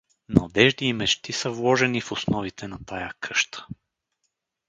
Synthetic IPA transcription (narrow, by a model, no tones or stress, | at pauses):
nɐd̪ɛʒd̪iːmɛt͡ʃt̪isəvlˠɔʒɛnifʊsnɔvit̪ɛnɐt̪ajakʰɤʃt̪ə̥